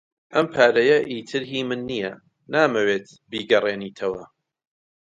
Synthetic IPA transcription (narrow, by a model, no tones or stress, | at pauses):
ʔɐmpʰaːɾɐjɐʔiːt̪ʰɨɾɦiːmɨnːijɐ | naːmɐweːt̪ | biːɡɐrˤeːniːt̪ʰɐwɐ